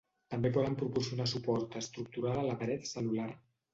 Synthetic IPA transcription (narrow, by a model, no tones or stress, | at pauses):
t̪əmbepɔðəmpɾupuɾsjunasupɔɾt̪əst̪ɾuk̚t̪uɾalələpəɾɛt̪səlulaɾ